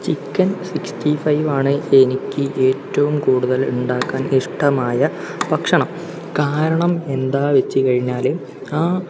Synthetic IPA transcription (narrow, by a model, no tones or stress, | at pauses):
t͡ɕikːɐnsiksʈifɐjʋaːɳɨe̞nikʲːɨʔe̞ːtːɐʋumkuːɽuðɐluɳɖaːkːaːniʂʈɐmaːjɐ | pɐkʂɐɳɐm | kaːɾɐɳɐme̞nd̪aːʋet͡ɕːɨkɐɻiɲːaːle | aː